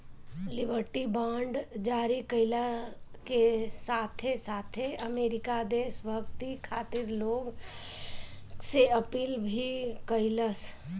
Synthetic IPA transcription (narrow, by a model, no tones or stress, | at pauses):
lɪbʱəɾʈibãːɳɖd͡ʒaːɾikəɪlakesaːt̪ʰesaːt̪ʰeəmeːɾɪkad̪eːsbʱəkt̪ikʰaːt̪ɪɾloːɡ | seəpiːlbʱikəɪləs